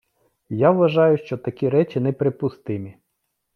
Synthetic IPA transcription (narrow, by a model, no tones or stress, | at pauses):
jaʋʋɐʒɑjʊʃt͡ʃɔt̪ɐkʲiɾɛt͡ʃʲinɛpɾɪpʊst̪ɪmʲi